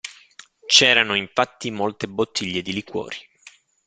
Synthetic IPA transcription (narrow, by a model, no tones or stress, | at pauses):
t͡ʃɛːɾanoiɱfat̪ːimolt̪ebot̪ʰːiʎːed̪ilikwɔ̰ːɾi